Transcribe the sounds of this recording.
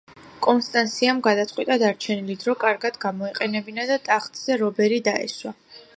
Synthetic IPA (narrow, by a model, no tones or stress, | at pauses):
kʼɔnst̪ʼant̪sʰiamɡad̪at̪sʼqʼwit̪ʼad̪aɾt͡ʃʰɛnilid̪ɾɔkʼaɾɡad̪ɡamɔiqʼɛnɛbinad̪at̪ʼaχt̪ʼz̥ɛɾɔbɛɾid̪aɛ̰swa